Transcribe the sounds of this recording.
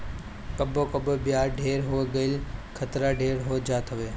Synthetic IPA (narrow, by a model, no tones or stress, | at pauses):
kəbokəbobjaːɾɖʱeːɾɦoːɡəilkʰət̪ɾaɖʱeːɾɦod͡ʒaːt̪ɦəʋeː